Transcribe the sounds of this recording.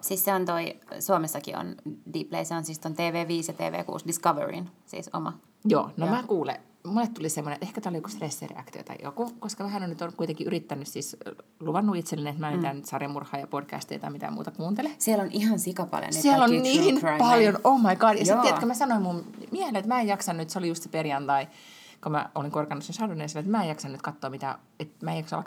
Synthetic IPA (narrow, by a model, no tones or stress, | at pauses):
sisseont̪oisuomesːɑkḭo̰ndiplḛiseonsist̪ont̪eːʋeːʋiːsjɑt̪ḛːʋḛːkṵːsdiskɑʋḛɹḭnsḭso̰mɑ | jo̰ːnomæːkuːlḛ | munet̪t̪ulisemːoneʔehkæt̪æˑlojiokust̪resːḛrḛɑ̰kt̪io̰t̪ɑ̰jo̰kukoskɑmæhænonyt̪onkuit̪eŋkiʔyrit̪ːænːyssisluʋɑnːuit̪selːinenet̪mæent̪ænt̪sɑremurhˑɑːjɑpodkæ̰st̪ḭt̪ɑ̰imit̪æ̰mṵːt̪ɑkuːnt̪elesiælonʔihɑnsikɑpɑ̰ljo̰nnesiælonniːnpɑljonomːɑikɑdjɑsit̪ːiekømæsɑnoimmummiehelːet̪mæːejɑksɑnnyt̪seolijust̪seperjɑnt̪ɑi | komæ̰oliŋkorkɑnːusensɑronːenɑsɑnoet̪mæːejɑksɑnnyt̪̚kɑt̪ːoːmit̪æ̰ | et̪mæejɑksɑ̰lk